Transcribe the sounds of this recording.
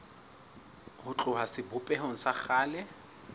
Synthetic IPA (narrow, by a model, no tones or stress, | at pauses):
hʊt͡ɬʼʊɦasɪbʊpʼɛɦoŋ̩saχaːlɛ